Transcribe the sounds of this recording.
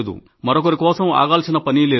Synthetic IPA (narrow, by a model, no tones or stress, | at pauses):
d̪ṵ | mɐɾok̬ɐɾikɔːsɐma̰ːɡaːlsinɐpɐnileː